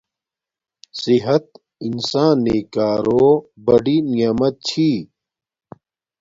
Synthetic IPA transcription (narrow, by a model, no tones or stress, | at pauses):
siɦɐt̪ | insãːnːeːkaːɾoːbɐɖiːnijamɐt̪̚t͡ɕʰiː